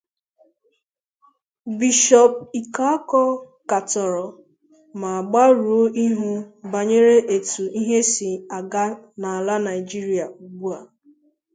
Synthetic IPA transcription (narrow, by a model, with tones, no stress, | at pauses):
bi˨ʃɔ˨p̚i˨ka˦a˦kɔ˦ | ka˨tɔ˨ɾɔ˨ | ma˨a˨ɡ͡ba˦ɾu˨o˦ʔi˦ɦu˦ba˨ɲe˦ɾe˦ʔe˨tu˨i˦ɦe˦si˨a˨ɡa˦na˨a˨la˦na˨ɪ˨d͡ʒi˦ɾi˦a˨ɡ͡bu˦a˨